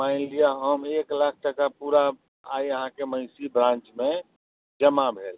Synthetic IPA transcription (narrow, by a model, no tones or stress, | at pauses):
maɪ̃nlijaɦəmeklak̚ʰʈəkapuɾa | aiəɦãkeməɪsibɾãnt͡ʃmẽ | d͡ʒəmabʱeːl